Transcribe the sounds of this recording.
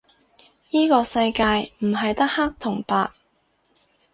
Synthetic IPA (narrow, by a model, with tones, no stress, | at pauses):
jiː˥kɔː˧sɐ˧jkaː˧jm̩˨˩ɦɐ˨jt̪ɐ˥k̚ha˥k̚t̪ʰʊ˨˩ŋpaː˧k̚